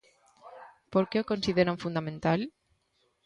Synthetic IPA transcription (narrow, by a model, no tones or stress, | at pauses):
poɾkeokonsiðeɾaɱfund̪ament̪al